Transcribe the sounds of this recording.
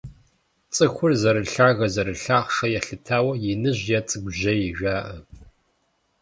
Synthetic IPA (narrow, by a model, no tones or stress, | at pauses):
t͡sʼɨxʷʊrzɐɾɨɬaːɣɐzɐɾɨɬaːχʂɐjɛɬɨtʰaːwɐjɪnɨʑjɛt͡sʼɨɡʷʊʑɐjɪʒᶣʷaːʔɐ